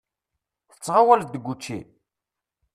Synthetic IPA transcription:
θə̥t͡sːʁawæld̪əɡʷːut͡ʃːḭ

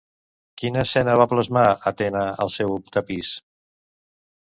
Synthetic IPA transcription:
kinəːsɛnəβapləzmaət̪ɛnəəlˠsɛwupt̪əpis

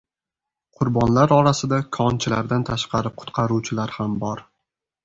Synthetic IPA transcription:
qʰʊɾbɒnlaɾɒɾasɪd̪akʰɒnt͡ʃʰɪlaɾd̪ant̪ʰaʃqʰɑɾɪqʰʊ̥t̪qʰɑɾuwt͡ʃʰɪlaɾhambɒɾ

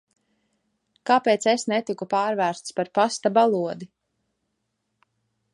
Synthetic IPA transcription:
kaːpeːt̪sesnet̪ikupaːɾvæːɾst̪spaɾpast̪abalˠuɔd̪i

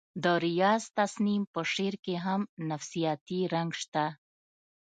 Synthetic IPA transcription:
d̪əɾijɑzt̪asnimpəʂeɾkeɦamnafsijɑt̪iɾaŋɡʃt̪a

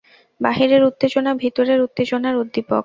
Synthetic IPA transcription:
baɦiɾeɾut̪ːed͡ʑonabʱit̪oɾeɾut̪ːed͡ʑonaɾud̪ʱːipok

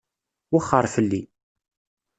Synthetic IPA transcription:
wəχːəɾˤfəlːi

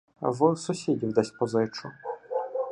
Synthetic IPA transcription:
ʋɨsʊsʲidʲiwd̪ɛsʲpɔzɪt͡ʃʊ

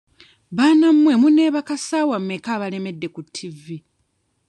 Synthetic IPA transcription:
βaːnamːwemune̞ːβakasaːwamːekaːβale̞me̞dːe̞kutʰːivi

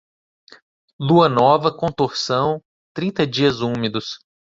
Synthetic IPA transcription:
luɐnɔvɐkõt̪oɾsɐ̃w̃ | t̪ɾĩnt̪ɐd͡ʒiɐzumed̪ʊs

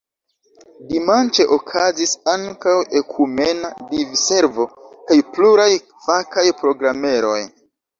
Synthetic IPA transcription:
dimant͡ʃe̞ʔokʰazisaŋkawe̞kʰume̞nadivse̞ɾvo̞kajpluɾaj | fakajpɾo̞ɡɾame̞ɾo̞j

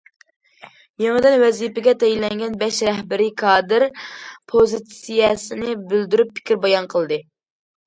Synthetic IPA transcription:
jeŋəd̪ɨnwɛzipɪɡʲɛt̪ʰɛjilɛŋɡʲɛnbɛʃɾɛhbɪɾɪkʰɑːd̪ɨɾpʰozit̪sijɛsɪnɪbyld̪yɾypʰːɪ̥kʲiɾbɑjɑnqʰəlˠd̪ɨ

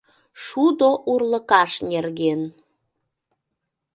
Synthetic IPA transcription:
ʃud̪oʔurləkɑʃnerɣen

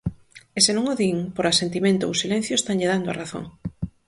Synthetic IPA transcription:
esenõŋoðiŋpoɾasent̪imẽnt̪ʊo̰wsilɛ̃n̟θjʊest̪aŋʎeðand̪ʊaraθo̰ŋ

